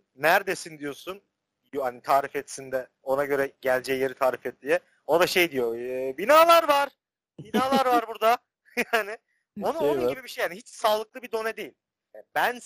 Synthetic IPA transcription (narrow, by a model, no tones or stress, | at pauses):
næɾd̪esind̪ijo̞sun | jhanit̪ʰaːɾifɛt̪sind̪ɛ | o̞naɟø̞ɾɛɟælʲd͡ʒɛjjeɾit̪ʰaːɾifɛt̪̚lʲijɛ | od̪aʃe̞jd̪ijobinaːlˠaɾvaɾ̥ | binaːlˠaɾvaɾbuɾd̪a | janɪ | o̞nuounɟibibiʃejhaniɦit͡ʃsaːlˠɯklˠɯbid̪o̞nɛd̪e̞jilʲ | abæn